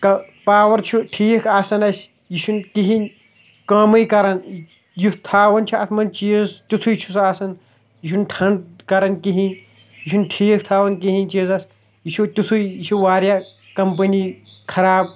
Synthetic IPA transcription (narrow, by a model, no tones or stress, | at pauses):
kɐpaːwɐɾt͡ʃʰuʈʰiːkʰaːsɐnɐsʲ | jiʃʰunkiɦinʲ | kɐmɨjkɐɾɐn | jut̪ʰaːʋɐnt͡ʃʰuɐ̰t̪ʰmɐnt͡ʃist̪ut̪ʰujt͡ʃʰusaːsɐn | jiʃunʈʰɐnkɐɾɐnkiɦĩn | jiʃʰunʈʰiːk̚ʰt̪ʰaːʋɐnkiɦinʲt͡ʃiːzɐs | jit͡ʃʰut̪ut̪ʰujit͡ʃʰuʋaːɾjaː | kɐmpɐnikʰɐɾaːb̚